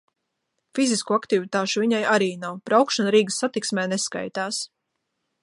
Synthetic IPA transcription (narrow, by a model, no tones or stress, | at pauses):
fiziskuakt̪ivit̪aːʃuviɲajaɾiːnawbɾawkʃanɾiːɡəsːat̪iksmɛːneska̰jt̪aːs